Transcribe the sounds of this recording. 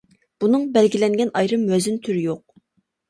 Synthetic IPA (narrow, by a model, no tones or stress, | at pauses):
b̥unɨŋbɛlɡʲilɛŋɡʲɛnʔɑjɾɨmwɛzynt̪ʰyɾɪjoq̚